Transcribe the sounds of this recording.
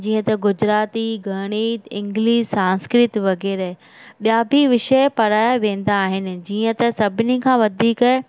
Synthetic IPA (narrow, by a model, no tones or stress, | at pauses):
d͡ʑĩːə̃t̪ɐɡʊd͡ʑɾaːt̪iɡʱɐɽ̃iːt̪ɪ̃ŋɡliːʃsãːnskɾɪt̪ʋɐɡɛːɾɛ | ɓijaːbʱiʋɪʃəpɐɾaːjaʋẽːn̆d̪aːɦɪnɪ̆d͡ʑiːə̃t̪ɐsɐbʱɪnikʰãːʋɐd̪ʱiːk